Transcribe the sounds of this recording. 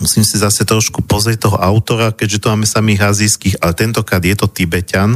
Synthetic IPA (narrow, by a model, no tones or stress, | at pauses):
musiːmsizasɛt̪ɾɔʃkupɔzɾɛc̚t̪ɔɦɔʔaʊt̪ɔɾakɛɟʒɛt̪umaːmɛsamiːɣɦaziːskiːxalɛt̪ɛnt̪ɔkɾaːd̪jɛt̪ɔt̪ibɛcan